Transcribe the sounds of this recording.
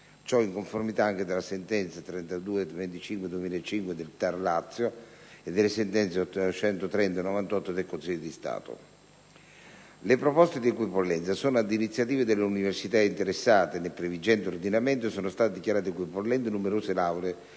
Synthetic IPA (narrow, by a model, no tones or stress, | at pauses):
t͡ʃɔiŋkoɱformit̪aaŋk̟ed̪elasent̪ɛnt̪sat̪ɾɛnt̪ad̪uːed̪vent̪it͡ʃiŋkwed̪uemilet͡ʃːiŋkwed̪elt̪arlat̪sːjo | ed̪ːelːesent̪ɛnt̪seɔt̪ːt͡ʃɛnt̪ot̪ɾɛnt̪anɔvant̪ɔt̪ːod̪elkonsiʎːod̪ist̪a̰ːt̪o̰ | lepɾopɔst̪ed̪iɛkwipolːɛnt̪sasoːnoad̪init̪sːjat̪iːved̪elːeuniversit̪aint̪eɾesːaːt̪enelpɾevid͡ʒɛnt̪eord̪inament̪oesoːnost̪aːt̪ed̪ikʲjaɾaːt̪̬ekwipolːɛnt̪enumeɾoːselawɾe